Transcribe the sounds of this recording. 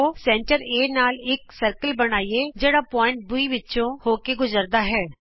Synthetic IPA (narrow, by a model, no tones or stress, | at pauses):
osɛ̃ːɳʈəɾeːnaːlɪksəɾkəlbəñaːied͡ʒeːɽaːpɔːɪ̃ɳʈ̚bʊiʋɪt͡ʃõhoːkeɡʊzəɾd̪aːɦɛː